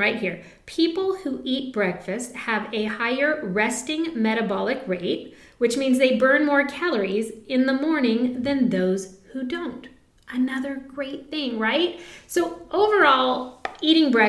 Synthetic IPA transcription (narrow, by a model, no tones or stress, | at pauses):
aɪt̚hiɹ | pʰipl̩ˠhuʔit̚b̥ɹɛkfɨst̚hɨvɨhaɪə˞ɹɛstɪ̃ŋmɛɾɨbɑlˠɨkɹeɪt̚ | wɨt͡ʃmĩnzðeɪbɜ̃˞nmɔɹkʰælˠə˞izɨ̃nðəmɔɹnɪ̃ŋðɨ̃nðoʊz̥hudõʊ̃nt | ʔɨnʌðə˞ɡ̥ɹeɪt̪̚θɪ̃ŋɹaɪt̚soʊʔoʊvə˞ɔlˠiɾɪ̃ŋbɹɛ